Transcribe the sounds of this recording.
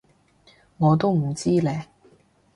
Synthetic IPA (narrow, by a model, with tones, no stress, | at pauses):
ŋɔː˨˧t̪̬o˥wm̩˨˩t͡siː˥lɛː˨˧